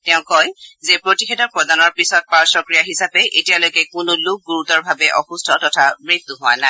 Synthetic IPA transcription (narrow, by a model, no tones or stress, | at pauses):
tɛʊ̃kɔjzepɹotixedɔpɹɔdanɔɹpisɔt̚paɹsɔkɹijaɦisapɛʔetijalojkɛkʊnʊlʊk̚ɡuɹutɔɹbʱabɛʔɔxustʰɔtɔtʰaɹet̚ːʊɦʊa̰naɪ